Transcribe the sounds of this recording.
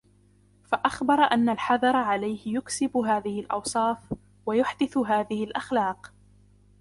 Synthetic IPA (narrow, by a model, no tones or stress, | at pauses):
faʔaxbɑɾˤɑʔanːalħɑðɑɾˤɑʕalajhɪjʊksɪbʊɦaːðɪhɪlʔɑ̰wsˤɑːf | wajʊħd̪ɪθɦaːðɪhɪlʔaxlaːq